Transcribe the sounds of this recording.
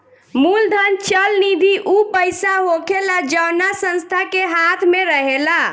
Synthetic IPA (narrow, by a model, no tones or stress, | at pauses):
muld̪ʱənt͡ʃəlnid̪ʱiʔupəjsaɦokʰelad͡ʒəwnasə̃nst̪ʰakeɦat̪ʰmeɾəɦela